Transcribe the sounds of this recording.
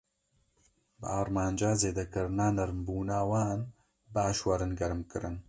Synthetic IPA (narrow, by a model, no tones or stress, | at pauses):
bɨ̰aːɾmaːnd͡ʒaːzeːd̪ɐkɨɾɨnaːnɐɾmbuːnaːwaːn | baːʃwɐɾɨnɡɐɾɨmkɨɾɨn